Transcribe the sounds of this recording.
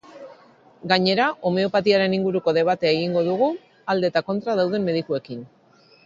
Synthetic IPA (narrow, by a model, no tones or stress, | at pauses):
ɡaɲe̞ɾaʔo̞me̞o̞pat̪iaɾe̞niŋɡuɾuko̞ðe̞β̞at̪e̞aeɣ̞iŋɡo̞ðuɣu | ald̪e̞ːt̪ako̞nt̪ɾaðawð̞e̞mːe̞ð̞ikue̞kin